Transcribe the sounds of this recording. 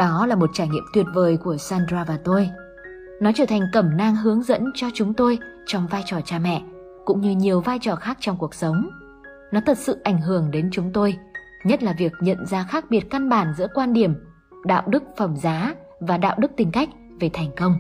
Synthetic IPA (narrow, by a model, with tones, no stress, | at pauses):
ɗɔ˨˦laː˨˩mo˨˩t̚t͡ɕaː˧˩jŋḭ˧˨əmt̪wi˨˩ət̚vəː˨˩jku˧˩əsaː˧ndzaː˧vaː˨˩t̪o˧j | nɔ˨˦t͡ɕəː˧˩t̪ʰjŋ̟kə˧˩mnaː˧ŋɦɨ˨˦əŋzə̰˧˥nt͡ɕɔ˧t͡ɕʊ˨˦ŋ͡mt̪o˧j | t͡ɕɔ˧wŋ͡mvaː˧jt͡ɕɔ˨˩t͡ɕaː˧mɛ̰˧˨ | kʊ̰˧˥ŋ͡mɲɨ˧ɲi˨˩əwvaː˧jt͡ɕɔ˨˩xaː˦˥k̚t͡ɕɔ˧wŋ͡mku˨˩ək̚sə˨˦wŋ͡m | nɔ˨˦t̪ʰə˨˩t̚sɨ̰˧˨ʔa˧˩jŋ̟ɦɨ˧˩əŋɗe˨˦nt͡ɕʊ˨˦ŋ͡mt̪o˧j | ɲə˦˥t̚laː˨˩vi˨˩ək̚ɲə̰˧˨nzaː˧xaː˦˥k̚ɓi˨˩ət̚ka˧nɓaː˧˩nzɨ̰˧˥əkwaː˧nɗi˧˩əm | ɗa̰ː˧˨wɗɨ˦˥k̚fə˧˩mzaː˨˦ | vaː˨˩ɗa̰ː˧˨wɗɨ˦˥k̚t̪ï˨˩ŋ̟ka˦˥jk̟̚ | ve˨˩t̪ʰɛ˨˩jŋ̟kə˧wŋ͡m